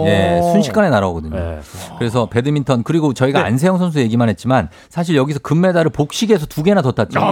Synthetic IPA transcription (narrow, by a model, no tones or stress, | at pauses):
je̞sʰunɕʰi̥k͈ane̞naɾaoɡʌdɯɲokɯɾe̞s̬ʰʌpe̞dɯmintʰʌnkɯɾiɡot͡ɕʌiɡaa̰nsʰejʌŋsʰʌns̬ʰuje̞ɡimanɦe̞t̚t͡ɕ͈iman | sʰaɕʰiɭjʌɡis̬ʰʌkɯmːe̞daɾɯɭpok̚ɕ͈iɡe̞sʰʌtuɡe̞natʌtʰat̚t͡ɕ͈i